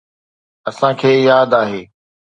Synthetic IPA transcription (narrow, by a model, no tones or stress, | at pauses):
ɐsãkʰeːjaːd̪aːɦeː